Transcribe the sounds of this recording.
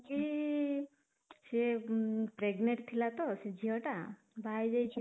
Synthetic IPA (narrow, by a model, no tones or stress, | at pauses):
ki | se | pɾeɡneʈt̪ʰilat̪osed͡ʒʱiɔʈa | bʱajd͡ʒajt͡ʃʰi